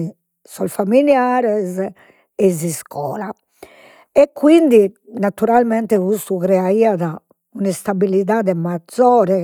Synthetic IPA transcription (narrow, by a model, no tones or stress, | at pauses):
sɔlfamiljaːɾɛz | ɛziskʰɔ̰ːla | ɛkːwind̪inat̪uɾalmɛnt̪ɛɣust̪uɣɾɛaiːaða | unist̪abiliðaːðɛmad̪zɔːɾɛ